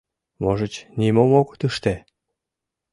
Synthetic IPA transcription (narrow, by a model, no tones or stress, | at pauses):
βoʒə̆t͡ɕnimomokt̪yʃt̪e